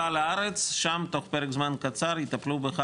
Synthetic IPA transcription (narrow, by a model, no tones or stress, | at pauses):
alaaʁet͡sʃamt̪o̞χpeʁekzmankat͡saɾit̪aplubeχa